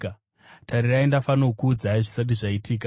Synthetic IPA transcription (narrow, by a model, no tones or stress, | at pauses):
tʰaɾiraindafanokuːd͡zaiʐisat̬iʐaitiːk̬a